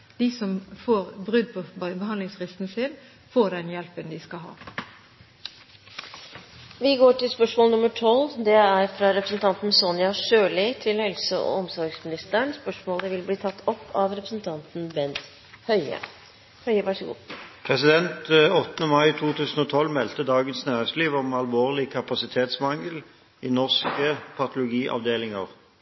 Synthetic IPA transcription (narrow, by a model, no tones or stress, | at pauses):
d̪̥iːsɔmfoːʁbʁʉd̪̚pʰɔbəɦɑnd̪lɪŋsfʁɪst̪n̩sɪn | foːɖɛnjɛlpənd̪ɪskɑɦɑ̰ː | ʋɪɡoːʈɪlspœʂmoːlnʊməʈʰɔld̪ɛæɾfɾɑɾɛpɾəsn̩t̪ʰɑnt̪n̩sɔnjɑʂøːlɪt̪ʰɪlhɛlsəɔ̰ɔmsɔɾɡsmɪnɪst̪əəɳspœʂmoːləʋɪlbliːt̪ʰɑt̪ːɔpːɑʋɾɛpɾəsn̩t̪ʰɑnt̪n̩bɛnt̪ | hœʏə̰ | hœʏəʋɑʂəɡṵːpʰʁɛsɪd̪ɛnt̪ɔt̪ːənəmɑɪt̪ʰuːt̪ʰʉːsn̩ɔt̪ʰɔlmɛlt̪əd̪ɑːɡənsnæːʁɛsliːʋɔmɑlʋoːʁlɪkʰɑpɑsɪt̪ʰeːt̪smɑŋəl | ɪnɔʁskəpʰɑt̪ʊlʊɡiːʔɑ̰ʋd̪eːlɪŋəʁ